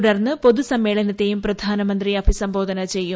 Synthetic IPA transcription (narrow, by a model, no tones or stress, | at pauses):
ɽɐrnːɨpo̞ðusɐmːe̞ːɭɐnɐt̪ːe̞jumprɐd̪ʱaːnɐmɐnd̪riɐbʱisɐmbo̞ːd̪ʱɐnɐt͡ɕe̞jːu